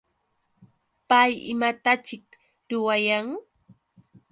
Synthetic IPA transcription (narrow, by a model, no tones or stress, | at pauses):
pajɪ̰mat̪at͡ʃɪk | ɾʊwajaŋ